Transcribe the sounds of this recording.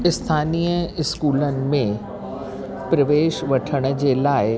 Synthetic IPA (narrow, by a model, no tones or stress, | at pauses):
ɪst̪ʰaːnijəɪskuːlənɪ̆mẽ | pɾɐʋeːʃʋɐʈʰəɽ̃̆d͡ʑelaːɪ